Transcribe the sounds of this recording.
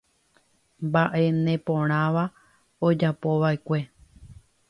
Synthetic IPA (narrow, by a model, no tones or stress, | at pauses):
mbaʔe̞nẽpõ̞ɾ̃ãʋa | od͡ʒapo̞ʋaʔekʷe̞